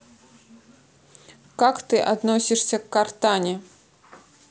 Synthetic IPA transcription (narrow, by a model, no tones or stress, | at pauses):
kakt̪ɨʔad̪nɔsʲiʂsʲɐkːart̪anʲɛ